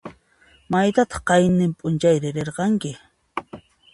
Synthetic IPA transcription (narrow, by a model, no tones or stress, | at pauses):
majt̪at̪ɑ̥χqɑjnɪmpʼʊnt͡ʃajɾɪɾeɾqɑŋkɪ